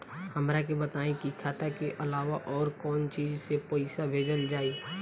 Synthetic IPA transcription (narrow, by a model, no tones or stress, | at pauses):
həmɾakebət̪aːẽkikʰaːt̪akeʔəlaːʋaʔɔːɾkɔːnt͡ʃiːd͡ʒsepoɪsabʱeːd͡ʒəld͡ʒaːiː